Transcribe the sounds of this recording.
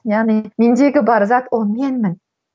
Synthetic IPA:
jaʁnimind͡ʒ̪eɡʲɪbɑɾzɑt̪omʲenmɪn

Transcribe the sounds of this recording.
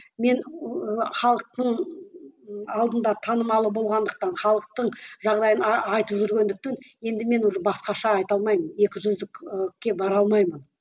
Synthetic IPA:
me̞nəχɑlˠəq̚t̪əɴ | ɑlˠd̪ənd̪ɑt̪ʰɑnəmɑlˠəbo̞lˠʁɑnd̪əq̚t̪ɑnχɑlˠəq̚t̪əɴʒɑʁd̪ɑjənɑjt̪əpʒʏɾɡʲe̞nd̪ɪk̚t̪e̞nje̞nd̪ɪme̞nʒəbɑsqɑʃɑːjt̪ɑlˠmɑjməne̞kʲɪʒʏzd̪ɪkkʲːe̞bɑɾɑlˠmɑjmən

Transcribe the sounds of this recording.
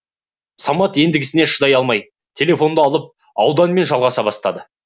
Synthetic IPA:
sɑmɑt̪e̞nd̪ɪɡʲɪsɪne̞ʃəd̪ɑjɑlˠmɑj | t̪ʲʰe̞lʲe̞fo̞nd̪əɑlˠəp̚ | ɑwd̪ɑnme̞nʒɑlˠʁɑsɑbɑst̪ɑd̪ə

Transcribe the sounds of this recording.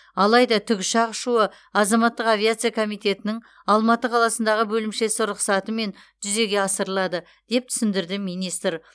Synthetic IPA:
ɑlˠɑjd̪ɑt̪ʰʏkʲɪʃɑʁʃuə | ɑzɑmɑt̪ːəqavʲijat̪sɨjakʰo̞mijt̪e̞t̪ɪnɪŋ | ɑlˠmɑt̪əqʰɑlˠɑsənd̪ɑʁəbɵlɪmʃe̞sɪɾʊqsɑt̪əme̞n | ʒ̥ʏze̞ɡʲe̞ɑsəɾəlˠɑd̪ə | d̪e̞p̚t̪ʰʏ̥sɪnd̪ɪɾd̪ɪmijnijst̪əɾ

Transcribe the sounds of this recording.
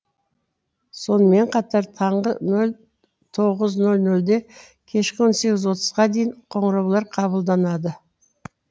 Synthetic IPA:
so̞nəme̞ɴqʰɑt̪ɑɾt̪ʰɑɴʁənɵl | t̪ʰo̞ʁəznɵlnɵld̪e̞ | kʲʰe̞ʃkʲɪwo̞nse̞ɡʲɪzwo̞t̪ʰə̥z̥ʁɑd̪ejɪɴqʰo̞ɴəɾɑwlˠɑɾqʰɑβəlˠd̪ɑnɑd̪ə

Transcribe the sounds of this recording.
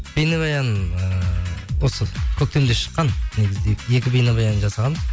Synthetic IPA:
b̥ejnɑbɑjɑnəəwo̞səkʲʰɵk̚t̪e̞md̪e̞ʃə̥qːɑnneɡʲɪzɪd̪eje̞kʲɪbejnɑbɑjɑnənʒɑsɑʁɑnəz

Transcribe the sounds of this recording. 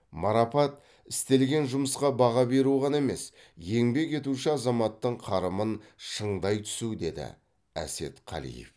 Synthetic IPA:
mɑɾɑpɑt̪ | ɪst̪e̞lɡʲe̞nʒʊməsqɑbɑʁɑbe̞ɾuʁɑne̞me̞s | je̞ŋbe̞ke̞t̪uʃɪɑzɑmɑt̪ːəɴqʰɑɾəmənʃəɴd̪ɑjt̪ʰʏ̥sud̪e̞d̪ɪ̰ | æ̰se̞̰t̪qʰɑ̰lḭjḛf

